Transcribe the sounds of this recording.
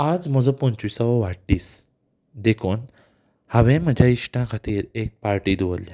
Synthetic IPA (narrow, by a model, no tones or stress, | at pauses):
ad͡zməd͡zɔpɔ̃ɲt͡ɕʋisaʋɔʋaʈːiːs | d̪ekʰoːn | haʋẽm̤əd͡ʑʱjaiʂʈãkʰat̪ʰiːɾek̚paɾʈiːd̪uʋəlja